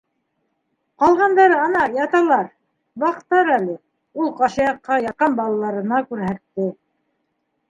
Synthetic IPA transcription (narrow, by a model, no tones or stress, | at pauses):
qɑlˠʁɑnd̪ɑɾɤɑnɑjɑt̪ɑlˠɑɾ | bɑqt̪ɑɾælɘ | ulˠqɑʃɑjɑqːɑjɑt̪̚qɑnbɑlˠɑlˠɑɾɤ̆nɑkʉɾɦæt̪ːɘ